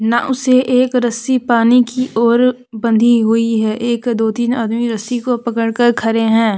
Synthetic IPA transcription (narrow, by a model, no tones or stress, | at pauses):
naʔʊseʔeːkɾɐsipaːnikiʔɔːɾ | bə̃nd̪ʱiɦʊiɦɛːʔeːkd̪oːt̪iːnaːd̪miɾɐsikopɐkəɽkəɾkʰɐɾeɦɛ̃ː